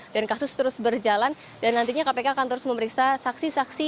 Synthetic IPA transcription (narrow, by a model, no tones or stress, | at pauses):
dankasʊst̪əɾʊsbərd͡ʒalan | danːant̪iɲakapekaːkant̪əɾʊsməməɾiksasaksisaksi